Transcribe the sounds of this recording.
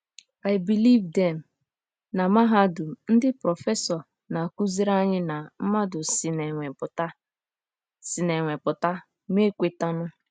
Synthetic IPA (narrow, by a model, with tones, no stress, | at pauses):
a˨ɪbi˨li˦vdɛ˨m̩˨ | na˨ma˦ɦa˦dʊ˨n̩˦dɪ˦pɾɔ˨fe˦sɔ˨ | na˨ku˦zi˦ɾa˦ɲɪ˦na˨m̩˦ma˦dʊ˨sɪ˨ne˨ŋʷe˨pʊ˨ta˦ | sɪ˨ne˨ŋʷe˨pʊ˨ta˦ | m˦e˦kʷe˨ta˦nʊ˦